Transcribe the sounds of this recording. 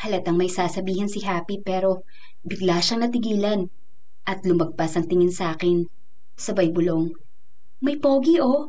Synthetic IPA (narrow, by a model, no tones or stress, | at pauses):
hɐlɐt̪ɐŋmɐjsaːsɐbiːhɐnsɪɦaːpipɛːɾo̞ | bɪɡlaʃɐŋnɐt̪ɪɡiːlɐn | ʔɐt̪lʊmɐɡ̚pasɐŋt̪ɪŋɪnsaːkɪn | sɐbɐjbʊlo̞ŋ | mɐjpoːɡiʔo